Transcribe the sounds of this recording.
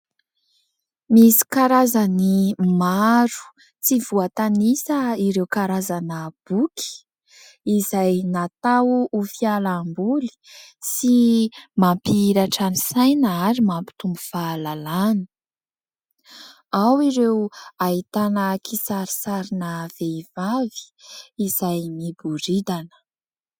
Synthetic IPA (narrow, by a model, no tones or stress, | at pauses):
misi̥kaɾazanimaɾu̥ | t͡siv̥uat̪anisəiɾewkaɾazanəb̥uki̥ | izajnat̪awːfialambuli̥simampiiɾaʈ͡ʂanisajnəaɾimampi̥t̪umbufalalani̥ | awiɾewait̪anəkʰisaɾi̥saɾinəv̥eiv̥avi̥ːz̥ajmibuɾid̪anə̥